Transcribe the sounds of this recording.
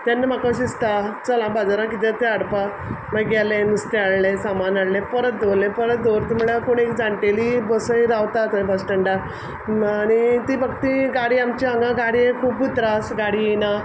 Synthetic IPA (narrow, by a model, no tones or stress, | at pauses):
t̪anːəmakãɕist̪at͡səlãbad͡zaɾãk̬it̪ẽt̪eaɽpa | maɡɡɛlẽnust̪eaɽlesamanaɽlẽpəɾət̪̚d̪olẽpəɾət̪̚d̪oɾt̪im̤əɽakoɽ̃ekd͡zaɳʈelibəsəiɾaʋt̪at̪əbəsʈəɳɖa | aɽ̃it̪ibəɡt̪iɡaɽiamt͡ɕiãŋɡãɡaɽiekʰuːbut̪ɾasɡaɽijina